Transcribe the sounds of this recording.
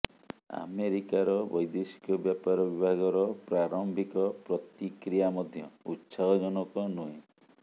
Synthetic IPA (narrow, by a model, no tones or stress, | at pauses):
a̰meɾikaɾɔbɔjd̪esi̥kɔbjapaɾɔbibʱaɡɔɾɔpɾaɾɔmbʱikɔpɾɔt̪ikɾijamɔd̪ʱjɔutːsaɦɔd͡ʒɔnɔkɔnuẽ